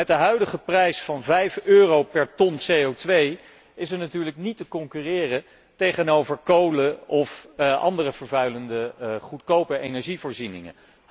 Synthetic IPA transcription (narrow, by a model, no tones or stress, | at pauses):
ɛt̚dəɦœɥdəχəprɛjsfɑnvɛjføːrowpɛɹtɔnsejowtʋej | ɪsəɹnatyːɹləknitəkɔŋkyːrɪːrə | tejχənowvəɹkowləɔfʔɑ̰ndərəvəɹvœɥləndəχutkowpəɹejnɛɹʒivʊːɹzinɪ̰ŋə̰